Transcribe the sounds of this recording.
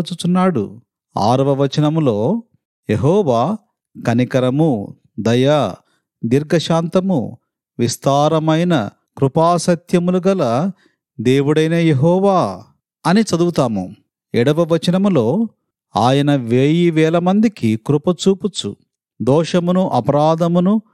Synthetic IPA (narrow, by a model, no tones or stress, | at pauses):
t͡ʃut͡ʃunːaːɽṵ | a̰ːɾɐʋɐʋɐt͡ʃɐnɐmlo̞ː | jeɦɔːʋaː | kɐnikɐɾɐmu | d̪ɐja | d̪iɾɡɐʃaːnt̪ɐmṵ | ʋist̪aːɾɐmɐjnɐ̰ | kɾupaːsɐt̪ʰjɐmuluɡɐlɐ | d̪eːwuɽɐjnɐjeɦɔːʋaː | ɐnit͡ʃɐd̪uwut̪aːmṵ | ɛɽɐʋɐʋɐt͡ʃɐnɐmulo̞ː | aːjɐnɐʋeːjiʋɛːlɐmɐnd̪ikikɾupɐt͡ʃuːput͡ʃṵ | d̪ɔːʂɐmunuʔɐpɐɾaːd̪ɐmunu